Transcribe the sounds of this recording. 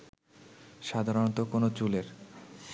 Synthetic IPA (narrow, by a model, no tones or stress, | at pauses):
ʃad̪ʱaɾont̪okonot͡ɕuleɾ